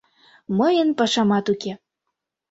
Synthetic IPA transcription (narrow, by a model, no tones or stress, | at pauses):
məjənpɑʃɑmɑt̪uke